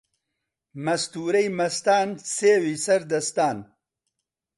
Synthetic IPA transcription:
mɐst̪uːɾɐjmɐst̪aːnseːwisɐɾd̪ɐst̪aːn

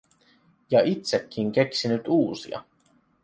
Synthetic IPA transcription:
jɑit̪sekːiŋke̞ksinyt̪uːsḭɑ̰

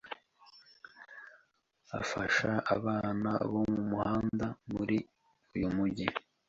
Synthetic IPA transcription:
a̰faʃaaβaːna̰βo̞mumuhaːndamuɾi | ujumuɟi

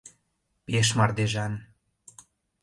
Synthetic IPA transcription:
peʃ̬mɑrd̪eʒɑn

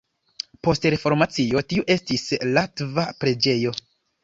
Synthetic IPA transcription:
po̞stɾe̞fo̞ɾmat͡sio̞tiuʔe̞stislatvapɾe̞d͡ʒe̞jo̞

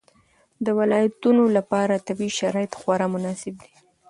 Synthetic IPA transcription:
d̪əwɪlɑjat̪unolapɑɾat̪abiʃaɾɑjɪt̪xwaɾɑmʊnɑsɪb̚d̪i̥

